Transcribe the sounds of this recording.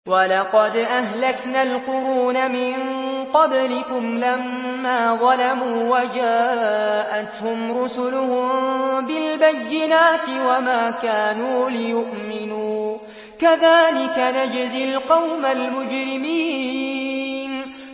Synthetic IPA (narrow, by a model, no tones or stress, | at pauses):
walɑqɑd̪ʔahlaknaːlqʊɾuːnamɪnqɑblɪkʊmlamːaːðˤɑlamuːwad͡ʒaːʔat̪hʊmɾʊsʊlʊhʊmbɪlbajːɪnaːt̪ɪwamaːkaːnuːlɪjʊʔmɪnuː | kaðaːlɪkanad͡ʒzɪlqɑwmalmʊd͡ʒɾɪmiː | n